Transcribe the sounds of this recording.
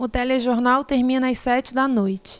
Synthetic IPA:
ʊt̪ɛleʒoɾnawt̪eɾmĩnɐɐjsɛt͡ʃɪd̪ɐnojt͡ʃɪ̥

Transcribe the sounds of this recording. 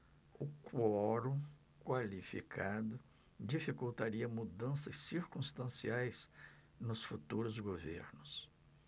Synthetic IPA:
ʊkwɔɾũ | kwalifḭkʰad̪ʊ | d͡ʒifikuwt̪aɾiɐmud̪ɐ̃sɐsːiɾkũst̪ɐ̃siajs | nʊsfut̪uɾʊzɡovḛɾnʊs

